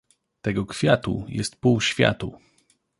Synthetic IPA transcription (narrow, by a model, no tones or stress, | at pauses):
t̪ɛɡɔkfʲjat̪ṵjɛst̪̚puwɕfʲja̰t̪u